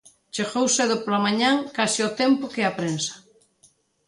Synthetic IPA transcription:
t͡ʃeɣowseðʊpolamaɲãŋkasɪʊt̪empʊkeapɾensɐ̥

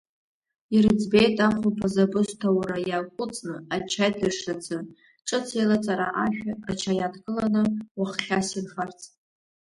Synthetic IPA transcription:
irɨd͡zbe̞jtʼaχupʰazabɨstʰawrajaːkʷʼʊt͡sʼnɨat͡ʃʰajdaʂlad͡zʰɨ | ʈ͡ʂʼɨt͡sʰejlat͡sʼaɾaʔaʃᶣaat͡ʃʰajadɡʼɨlanɨwaχχʲasinχart͡sʰ

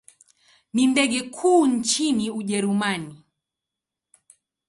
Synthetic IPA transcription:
nindɛɠɛkʰuːn̩t͡ʃiniuʄɛɾumani

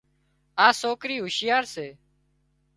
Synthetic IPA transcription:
aːsoːkɾiːɦʊʃɪjaːɾseː

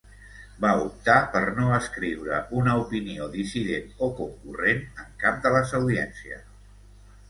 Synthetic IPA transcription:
baup̚t̪apəɾnoəskɾiwɾə̰ʔunəupinioðisiðenokuŋkurenəŋkap̚d̪ələzəwðiɛnsiə̰

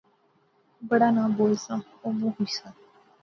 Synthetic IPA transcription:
bəɽaːnãːboːlsãː | oːmũːɦoiːsãː

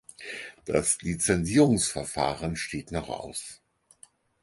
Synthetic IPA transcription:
d̥a̰slit͡sɛnziːʁʊŋsfɛɐfa̰ːʁənʃtʰeːtnɔχʔa̰ʊs

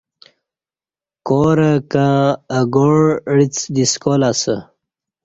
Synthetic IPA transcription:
koɾəkaːɡoɽɽit͡sd̪iskolasə

